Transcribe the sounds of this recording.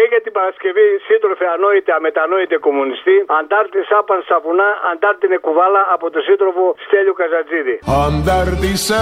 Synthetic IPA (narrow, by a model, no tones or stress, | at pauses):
eɣet̪ipaɾaskeβisit̪ɾofeanoit̪eamet̪anoit̪ekomunist̪iand̪aɾt̪isapansapunaand̪aɾt̪inekuvalaʔːpot̪usit̪ɾofost̪eʎukazad͡ziðiand̪aɾt̪is